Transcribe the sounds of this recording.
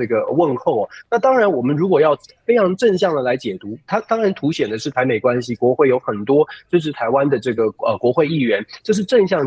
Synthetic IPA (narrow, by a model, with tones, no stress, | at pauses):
ɤ˥˩ɡə˩wə˥˧nxo˥˩ʊɐ˩na˥˩t̪ɑ˥ŋɻa˧˥nwɔ˨˩mə˦nɻu˧˥kwɔ˨˩jɑ˥˩ʊfe˥ɪʈ͡ʂʰɑ˧˥ŋʈ͡ʂə˥˧nɕjɑ˥˩ŋd̪ə˩la˧˥ɪt͡ɕjɛ˨˩t̪u˧˥t̪ʰa˥t̪ɑ˥ŋɻa˧˥nt̪ʰu˧˥ɕjɛ˨˩nd̪ə˦ʂɻ̩˥˩t̪ʰa˧˥ɪme˨˩ɪkwa˥nɕi˨kwɔ˧˥xwe˥˩ɪjo˧˥ʊxə˨˩nt̪wɔ˥t͡ɕo˥ʂ̬ɻ̩˥˧t̪ʰa˧˥ɪwa˦nd̪ə˨ʈ͡ʂɤ˥˩ɡə˩ə˧kwɔ˧˥xwe˥˧ɪi˥˩ɥɛ˧˥nt͡ɕjo˥˧ʊʂ̬ɻ̩˥˧ʈ͡ʂə˥˧nɕjɑ˥˩ŋ